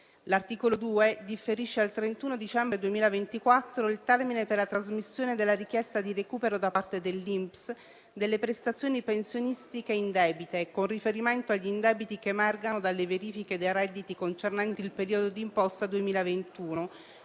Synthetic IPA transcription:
lart̪iːkolod̪uːed̪ifːeɾiʃːealt̪ɾent̪uːnod̪it͡ʃɛmbɾed̪uemiːlavent̪ikwat̪ːɾoilt̪ɛrmineperlat̪ɾazmisːjoːned̪elːaɾikjɛst̪ad̪irekuːpeɾod̪apart̪ed̪elːimps | d̪elːepɾest̪at̪sːjoːnipensjonist̪ikeind̪ɛːbit̪ekonrifeɾiment̪oaʎːind̪ɛːbit̪ikemɛrɡanod̪alːeveɾiːfiked̪erɛd̪ːit̪ikont͡ʃernant̪iilpeɾiːod̪od̪iːmpɔst̪ad̪uemiːlavent̪uːno

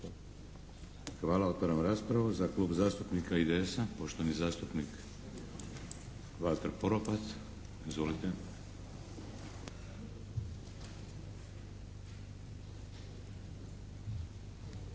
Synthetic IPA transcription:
xʋaːlao̞t̪ʋaɾamɾaːspɾaʋuzaklˠuːbzaːst̪upnikaid̪eesapoʃt̪onizaːst̪upnik | ʋat̪eɾpoɾopat̪s | izʋolit̪e

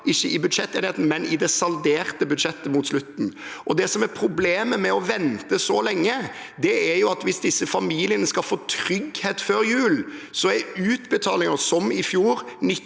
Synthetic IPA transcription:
ɪçːəʔɪbʉd̪ʂɛt̪ːeːnheːt̪n̩mɛnɪd̪ɛsɑld̪eːʁt̪əbʉd̪ʂɛt̪ːəmʊt̪slʉt̪n̩ʔɔd̪ɛsɔmæɾpʰɾʊbleːməmɛɔʋɛnt̪əsɔlɛŋːə | d̪ɛæɾjʊɑt̪ʋɪsd̪ɪsːəfɑmiːlɪənəskɑlfoːt̪ʰɾʏɡheːt̪føːɾjʉːlsɔɛɾʉːt̪bət̪ʰɑːlɪŋəsɔmɪfjuːɾnɪ

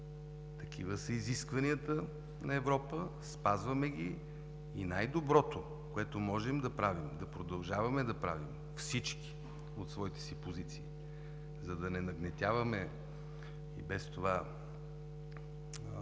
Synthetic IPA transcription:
t̪ɐk̟ʰivəsəiziskvɐniət̪ə | nɐɛvɾɔpəspazvɐmɛɡ̟ʲiː | najd̪obɾɔt̪o | koɛt̪omɔʒɛmd̪ɐpɾavimd̪ɐpɾod̪ɐlˠʒavɐmɛd̪ɐpɾa̰vim | fsit͡ʃki̥ | ot̪svɔit̪ɛ̥sipozit̪siː | zɐd̪ɐnɛnɐɡnɛt̪ʲjavəmɛ | ibɛst̪ova

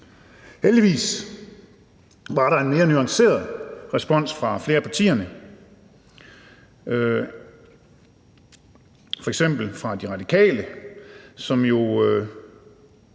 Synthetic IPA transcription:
held̥iʋḭːs | ʋɑ̈ɾɑ̈e̝nme̝ːɐnyɑ̈ŋse̝̰ːɐðˠʁɛsb̥ɒ̽n̰sfʁɑ̈fle̝ːɐpʰɑ̈t͡sʰḭːɐnə | fɒeɡ̥sem̰b̥l̩fʁɑ̈d̥iʁɑ̈d̥ikʰɛ̰ːlə | sɒ̽mjo̝

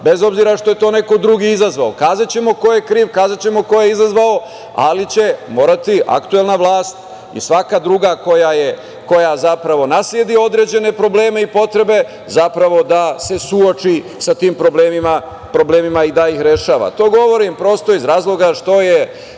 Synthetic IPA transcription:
be̞zo̞bziɾaʃt̪o̞je̞t̪o̞ːne̞ko̞d̪ɾuɡiizazʋaokaːzat͡ɕe̞mo̞ko̞jekɾiːʋkaːzat͡ɕe̞mo̞ko̞jeizazʋao̞ | a̰lit͡ɕe̞mo̞ːɾat̪iʔa̰kt̪uelˠnaʋlˠaːst̪ | ḭsʋakad̪ɾuɡako̞jaje | ko̞jazapɾaʋo̞nasljed̪io̞d̪ɾe̞d͡ʑe̞ne̞pɾo̞ble̞ːme̞ipo̞t̪ɾe̞be̞ | zapɾaʋo̞d̪ase̞suot͡ʃi | sat̪iːmpɾo̞bleːmima | pɾo̞ble̞ːmimaid̪aixɾe̞ʃaːʋa̰t̪o̞ːɡo̞ʋo̞ɾimpɾo̞st̪o̞izɾaːzlˠo̞ɡaʃt̪o̞je

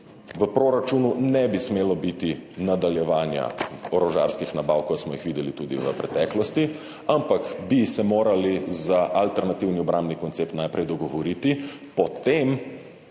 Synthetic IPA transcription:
ʋəpɾoɾat͡ʃununɛbismeːlɔbit̪inad̪aljɛʋaːnja̰ɔɾɔʒa̰ɾskixnabawkɔt̪smɔjixʋiːd̪ɛlit̪uːd̪ḭʋə̰pɾɛ̰t̪ɛːklɔst̪i | ampakbisɛmoːɾalizaʔalt̪ɛɾnat̪iwniɔbɾambnikɔnt̪sep̚t̪najpɾɛjd̪ɔɡɔʋɔɾit̪i | pɔt̪em

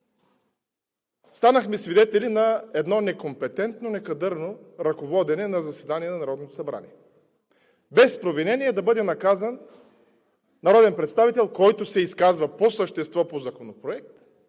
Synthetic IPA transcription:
st̪anəxmɛsvid̪ɛt̪ɛlʲinɐɛd̪nɔnɛkompɛt̪ɛnt̪nonɛkɐd̪ɤɾnoɾɐkovɔd̪ɛnɛnɐzɐsɛd̪aniɛnɐnɐɾɔd̪not̪osɐbɾa̰nḭɛ | bɛspɾovinɛniɛd̪ɐbɤd̪ɛnɐkazən | ɐɾɔd̪ɛnpɾɛt̪st̪avit̪ɛlˠkɔjt̪osɛiskazvɐposəʃt̪ɛst̪vɔpozɐkonopɾoɛk̚t̪

